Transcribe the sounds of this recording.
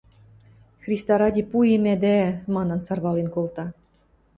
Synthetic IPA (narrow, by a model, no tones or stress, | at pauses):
xrʲist̪ɑɾɑdʲipujemæd̪æmɑnɤ̆nsɑrβɑlenkolˠt̪ɑ